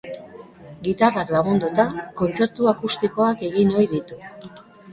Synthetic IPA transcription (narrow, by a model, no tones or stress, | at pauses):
ɡit̪araklaɣ̞und̪ut̪ako̞nt͡se̞ɾt̪uakust̪iko̞ake̞ɣino̞jðit̪u